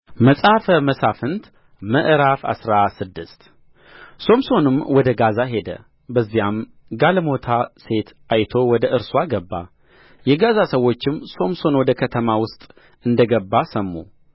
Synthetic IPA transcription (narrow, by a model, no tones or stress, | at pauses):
məsʼafəməsafɨnt̪ | məʔɾafa̰sɾasɨd̪ːɨst̪ | so̞mso̞nɨmwɔd̪əɡazaɦe̞d̪ə̰ | bəzːijam | ɡalmo̞t̪ʰase̞t̪ʔajt̪ʰo̞wɔd̪əʔɨɾswaɡəbːa | jɛɡazasəwːo̞t͡ʃːɪmːso̞mso̞nwɔd̪əkʰət̪ʰəmawʊst̪ʼ | ɨnd̪əɡəbːasəmːṵ